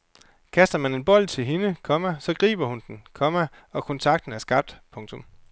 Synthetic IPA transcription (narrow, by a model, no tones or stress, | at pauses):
kʰæsd̥ɐmæne̝nb̥ɒ̽l̰t͡sʰe̝lɦenəkʰɒ̽mæsɒ̽ɡ̥ʁḭːb̥ɐhund̥n̩kʰɒ̽mæ | ɒ̽kʰɔ̽nt͡sʰɑ̈ɡ̥d̥n̩æɐsɡ̥ɑ̈b̥̚d̥pʰɔ̽ŋt͡sʰɔ̽m